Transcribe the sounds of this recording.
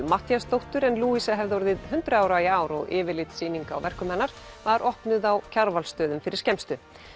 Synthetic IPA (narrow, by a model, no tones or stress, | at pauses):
maht̪jast̪owht̪ʏɾɛnluːisaɦɛvðɔɾðɪðhʏnt̪ɾʏaːwɾaiaːwɾɔɣɪːvɪɾlɪt̪siːniŋka̰ːwvɛr̥kʏmɛnːaɾ̥ | vaɾʔɔhpnʏðawcʰaɾvalst̪œːðʏmfɪɾɪɾ̥cɛmst̪ʏ